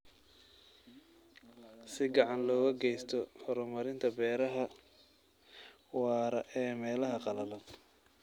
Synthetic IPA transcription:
sɪɡɑʕɑnlɔːɣɐɡɛjst̪ʰɔhɔɾɔmɐɾɪnt̪ʰɐbɛːɾɐɦɐ | wɑːɾɐʔɛːmɛːlɐɦɐqɑlɐlɐd

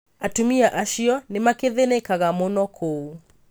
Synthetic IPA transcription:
atumiaʔaʃiɔnemakeðenekaɣamonɔkʰou

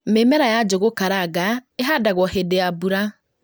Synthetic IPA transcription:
memɛɾajad͡ʒoɣokaɾaɡaeɦadaɣwɔhedeabuɾa

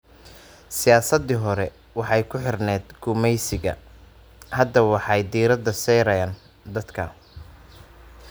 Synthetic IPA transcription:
sɪjaːsɐd̪ɪɦɔɾɛ | wɑħɑjkʰʊħɪrnɛːd̪ɡʊmɛjsɪɣɐ̰ | hɐd̪ɐwɑħɑjd̪iːɾɐd̪ɐsɛːɾɐjaːn | d̪ɐd̪kʰɐ

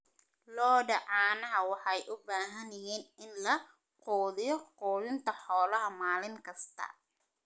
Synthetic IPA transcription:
lɔːɖɐʕɑːnɐɦɐwɑħɑjʔʊbaːɦɐnɪjɛːnɪnlɐ | qɔːðɪjɔqɔːðɪnt̪ʰɐħɔːlɐɦɐmaːlɪŋkʰɐst̪ʰɐ̰

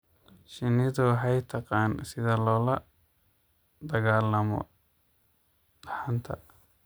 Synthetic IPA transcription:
ʃɪnɪðʊɦɛjt̪ʰɐqɑːnsɪðɐlɔːlɐ | d̪ɐɣaːlɐmɔ̰ | d̪ɑħant̪ʰɐ̰

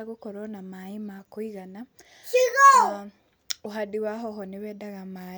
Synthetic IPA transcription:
aɣukoɾonamaimakuiɣana | iɣo | uɦadiwaɦoɦoneβɛdaɣama

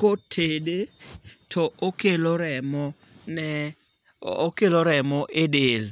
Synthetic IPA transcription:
kotʰedetʰɔokeloɾɛmɔ | nɛ | okeloɾɛmɔʔedel

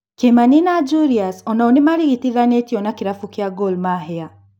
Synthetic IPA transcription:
kemaninad͡ʒuɾiasɔnaɔnimaɾiɣitiðanetiɔnakiɾafukiaɡɔlmaɦɛa

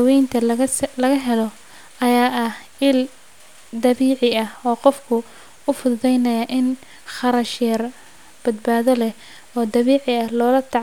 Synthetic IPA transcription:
wɛjnt̪ʰɐlɐɣɐɦɛlɔ | ɐjaːʔɐh | ɪl | d̪ɐβiːʕɪɐhɔːqɔfkʰʊ | ʊfʊððɛjnɐjɐʔɪn | χɐɾɐʃɛːr | b̥ɐd̪̚baːðɔlɛh | ɔːd̪ɐβiːʕɪɐhlɔːlɐt̪ʰɑʕ

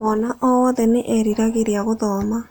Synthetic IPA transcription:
βɔnaʔɔɔðɛneʔɛɾiɾaɣeɾiaɣoðɔma

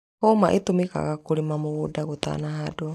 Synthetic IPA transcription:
hɔmaʔit̪umika̰ɣakuɾimamuudaɡut̪a̰naɦado

